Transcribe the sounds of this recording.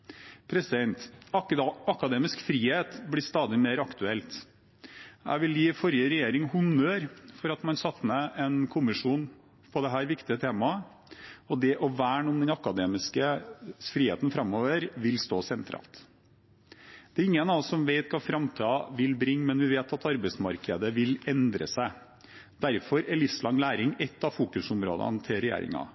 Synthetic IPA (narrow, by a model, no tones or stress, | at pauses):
pʰɾɛsɪd̪ɛnt̪ | ɑkɑd̪eːmɪskfɾiːheːt̪blɪst̪ɑːd̪ɪmeːɾɑkt̪ʉɛlt̪ | æ̰ɪʋɪljiːfɔɾjəɾɛjeːɾɪŋhʊnːøːɾfɔɾɑt̪mɑnsɑt̪ːməɛnkʰʊmɪʂuːn | pʰɔd̪ɛɦæːɾʋɪkt̪ɪət̪ʰeːmɑ | ɔd̪ɛʔɔʋæːɳuːənd̪ɛnɑkɑd̪eːmɪskəfɾiːhḛːt̪n̩fɾɑmoːʋəɾʋɪlst̪oːsɛnt̪ʰɾɑ̰ːlt̪ | d̪̥ɛɾɪŋːənɑsɔmʋeɪt̪kɑfɾɑmt̪ʰɑːʋɪlbɾɪŋːmɛnʋɪʋeːt̪ɑt̪ɑɾbɛɪsmɑɾkəd̪əʋɪlɛnd̪ɾə̰sæɪ | d̪̥æɾfɔɾɛlɪfslɑŋlæːɾɪŋɛt̪ːɑfuːkʉsʊmɾo̰ːd̪ɑ̰nt̪ʰɪlɾɛjḛːɾɪ̰ŋɑ̰